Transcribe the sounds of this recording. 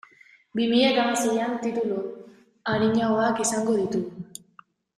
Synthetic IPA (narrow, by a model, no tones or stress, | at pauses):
bimiʎat̪amase̞jant̪it̪ulu | aɾiɲaoakisaŋɡo̞ð̞it̪u